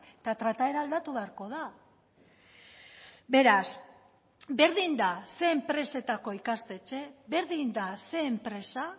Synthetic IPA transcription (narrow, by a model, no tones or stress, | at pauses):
et̪at̪ɾat̪ae̞ɾaːld̪at̪uβe̞aɾko̞ð̞a | be̞ɾas | be̞ɾðind̪ase̞ːmpɾe̞se̞t̪ako̞ikast̪e̞t͡ʃe̞βe̞ɾðind̪ase̞ːmpɾe̞sa